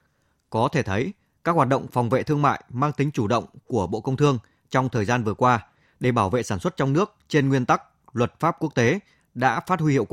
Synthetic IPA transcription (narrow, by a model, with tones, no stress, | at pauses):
kɔ˨˦t̪ʰe˧˩t̪ʰə˨˦j | kaː˦˥k̚hwaː˨˩t̚ɗə̰˧˨wŋ͡mfɔ˨˩wŋ͡mvḛ˧˨t̪ʰɨ˧əŋma̰ː˧˨jmaː˧ŋt̪ï˨˦ŋ̟t͡ɕu˧˩ɗə̰˧˨wŋ͡mku˧˩əɓo̰˧˨kə˧wŋ͡mt̪ʰɨ˧əŋ | t͡ɕɔ˧wŋ͡mt̪ʰəː˨˩jzaː˧nvɨ˨˩əkwaː˧ | ɗe˧˩ɓaː˧˩wvḛ˧˨saː˧˩nswə˦˥t̚t͡ɕɔ˧wŋ͡mnɨ˦˥ək̚t͡ɕe˧nŋwi˧ənt̪a˦˥k̚ | lwə˨˩t̚faː˦˥p̚ku˦˥ək̚t̪e˨˦ | ɗa̰ː˧˥faː˦˥t̚hwi˧hi˧˨wk